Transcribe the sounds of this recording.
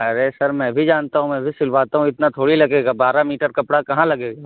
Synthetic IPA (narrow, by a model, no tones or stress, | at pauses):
ɐɾesɐɾmɛ̃bʱid͡ʒaːnt̪aɦũmɛ̃ːbʱisɪlʋaːt̪aɦũɪt̪nat̪ʰoːɽilɐɡeːɡabaːɾamiːʈəɾkɐpɽakɐɦãlɐɡeːɡaː